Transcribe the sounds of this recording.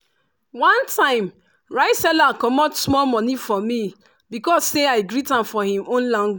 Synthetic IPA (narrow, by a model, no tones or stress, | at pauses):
wãntʰãɪ̃m | ɹaɪsɛlakɔmɔtsmɔlmɔ̃nifɔmi | bikɔsːeaɪɡɾitãmfɔhĩmõnlãŋɡw